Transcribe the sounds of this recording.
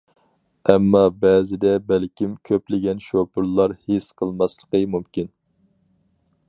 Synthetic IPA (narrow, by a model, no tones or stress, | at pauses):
ɛmːɑbɛzɪd̪ɛbælkʲimkʲʰøplɪɡʲɛnʃopuɾlˠɑɾhesqʰəlˠmɑslˠəqəmumkʲin